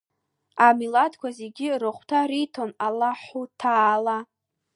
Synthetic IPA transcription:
amiladkʷʰazeɡʲirɨχʷtʰaɾitʰonalaħutʰaːla

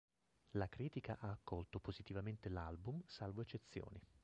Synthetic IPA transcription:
lakɾiːt̪ikaʔaːkːɔlt̪opozit̪ivament̪elalbumsalvoet͡ʃːet̪sːjo̰ːni

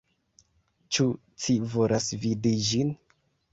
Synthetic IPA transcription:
t͡ʃu | t͡sivo̞lʔasvidid͡ʒin

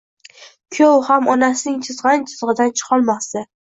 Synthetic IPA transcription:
kʲʰowhamɒnasɪnɪŋt͡ʃʰɪzʁɑnt͡ʃʰɪ̥z̥ʁɨd̪ant͡ʃʰɨ̥qʰɒlˠmɒst̪a

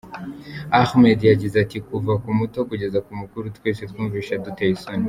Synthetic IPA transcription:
axmɛd̪iad͡ʒizatikuvakumutɔkud͡ʒɛzakumukuɾut̪u̥kɛsit̪kumviʃad̪ut̪aisɔni

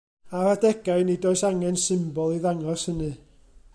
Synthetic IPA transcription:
aradɛɡ̥ajnidoːɨsaŋɛnsɪmbɔlˠiðaŋɔshənɨ

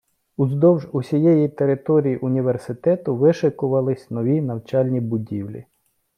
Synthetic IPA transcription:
ʊzd̪ɔwʒusʲijɛjit̪eɾɪt̪ɔɾʲijiʔʊnʲiʋersɪt̪ɛt̪ʊʋɪʃɪkʊʋɐlˠɪsʲnɔʋʲinɐwt͡ʃɑlʲnʲibʊdʲiwlʲḭ

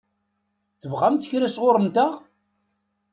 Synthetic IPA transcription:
θəvʁæmθə̥çɾæsʁoɾˤəmt̪æʁ

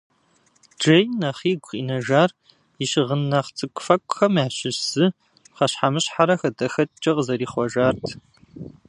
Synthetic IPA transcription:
d͡ʒɐjnɐχiːɡʷqʼḭːnɐʒaːr | ɪʃɪʁənːɐχt͡sʼɨkʷʼfɐkʷʼxɐmaːɕɪsɨ | χɐɕħamɨɕħaɾɐxɐdɐxɐt͡ʃʼɐqzɐɾiːχʷɔʒaːrtʰ

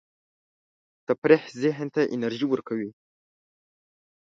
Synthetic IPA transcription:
t̪apɾehzɪɦnt̪aʔɪ̰naɾʒiwəɾkawi

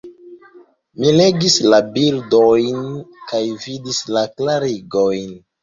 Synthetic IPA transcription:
mile̞ɡislabildojnkajvidislaklaɾiɡojn

